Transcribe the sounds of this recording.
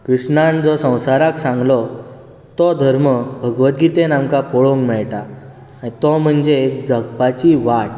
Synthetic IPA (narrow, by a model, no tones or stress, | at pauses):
kɾiʂɳãnd͡zɔsə̃w̃saɾaksãŋɡlɔ | t̪ɔd̪ʱəɾməbʱəɡʋət̪̚ɡit̪enamkapɔɭõŋkmɛɭʈa | aɽ̃it̪ɔm̤əɳd͡zeːkd͡zʱəɡpat͡ɕiʋaʈ̚